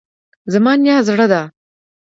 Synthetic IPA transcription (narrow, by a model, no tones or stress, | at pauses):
zamɑːnjɑːzɽəd̪a